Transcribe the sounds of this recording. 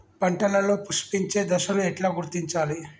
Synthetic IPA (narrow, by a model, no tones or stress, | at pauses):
pɐɳʈɐlɐlo̞ːpuʃpiɲt͡ʃe̞ːd̪ɐʃɐnuɛʈlaːɡuɾt̪iɲt͡ʃaːli